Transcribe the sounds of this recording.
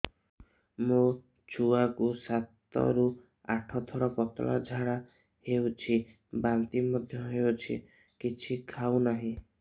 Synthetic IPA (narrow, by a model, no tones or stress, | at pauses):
mu | t͡ʃʰuakusat̪ɔ̰ɾu | a̰ʈʰɔt̪ʰɔɾɔpɔt̪ɔ̰la̰d͡ʒʱaɽa | hewt͡ʃʰi | bant̪imɔd̪ʱjɔɦewt͡ʃʰḭ | kit͡ʃʰikʰawnaɦĩ